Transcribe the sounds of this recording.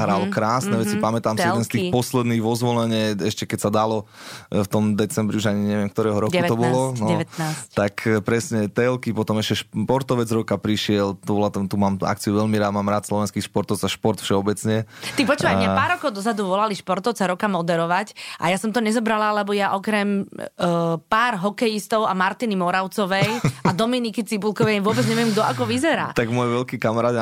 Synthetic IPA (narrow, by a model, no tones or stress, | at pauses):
ɦɾalɔkɾaːsnɛʋɛt͡sipamɛt̪aːmsiɛd̪ɛnstt̪ixpɔslɛd̪niːɣʋɔzʋɔlɛɲɛɛʃcɛkɛcsad̪alɔft̪ɔmd̪ɛt͡sɛmbɾiuʒaɲiɲɛʋɪɛmk̚t̪ɔɾɛːɦɔɾɔkɛkt̪ɔbɔlɔnɛɛat̪akʰpɾɛsɲɛt̪ɛlkipɔt̪ɔmɛʃcɛʃpɔɾt̪ɔʋɛd͡zɾɔkapɾiʃɪɛlt̪ɔbɔlat̪t̪umaːma̰kt͡siuʋɛʎmiɾaːd̪maːmɾaːt̪slɔʋɛnskiːxʃpɔɾt̪ɔd͡zaʃpɔɾt̪fʃɛɔbɛt͡sɲɛt̪ipɾɔt͡ʃɛbaapaːɾɔkɔʊd̪ɔzad̪uʋɔlaliʃpɔɾt̪ɔʊt͡saɾɔkamɔd̪ɛɾɔʋacʔajasɔmt̪ɔɲɛzɔbɾalalɛbɔjaʔɔkɾɛm | paːɾɦɔkɛjist̪ɔʊamaɾt̪inimɔɾaʊt͡sɔʋɛjad̪ɔminikit͡sibulkɔʋɛjʋʊɔbɛd͡zɲɛʋɪɛmɡd̪ɔakɔʋizɛɾa̰ːt̪aɡmɔjʋɛlkikamaɾaːd̪